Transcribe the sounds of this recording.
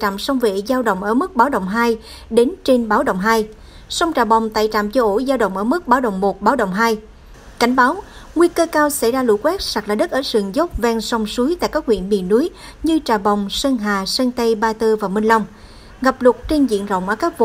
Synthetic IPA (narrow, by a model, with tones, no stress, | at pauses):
t͡ɕa̰˧˨msɔ˧wŋ͡mvḛ˧˨zaː˧wɗə̰˧˨wŋ͡mʔəː˧˩mɨ˦˥k̚ɓaː˨˦wə̰˧˨wŋ͡mɦaː˧j | ɗe˨˦nt͡ɕe˧nɓaː˨˦wɗə̰˧˨wŋ͡mɦaː˧j | sɔ˧wŋ͡mt͡ɕaː˨˩ɓa˨˩wŋ͡mt̪a̰ː˧˨jt͡ɕa̰ː˧˨mt͡ɕɔ˧ʔo˧˩zaː˧wɗə̰˧˨wŋ͡mʔəː˧˩mɨ˦˥k̚ɓaː˨˦wɗə̰˧˨wŋ͡mmo˨˩t̚ɓaː˨˦wɗə̰˧˨wŋ͡mɦaː˧j | ka˧˩jŋ̟ɓaː˨˦w | ŋwi˧kəː˧kaː˧wsa˧˩jzaː˧lṵ˧˩kwɛ˦˥k̚sa˨˩k̚laː˨˩ɗə˦˥t̚ʔəː˧˩sɨ˨˩əŋzə˦˥wk͡p̚vɛː˧nsɔ˧wŋ͡msu˨˦jt̪a̰ː˧˨jkaː˦˥k̚wḭ˧˨ənmḭ˧˨ənːu˨˦əj | ɲɨ˧t͡ɕaː˨˩ɓɔ˨˩wŋ͡msə˧nɦaː˨˩sə˧nt̪ə˧jɓaː˧t̪ɨ˧vaː˨˩wmï˧ŋ̟lɔ˧wŋ͡m | ɣa˨˩p̚lʊ˨˩t̚t͡ɕe˧nzḭ˧˨ənzə̰˧˨wŋ͡mʔəː˧˩kaː˦˥k̚v̰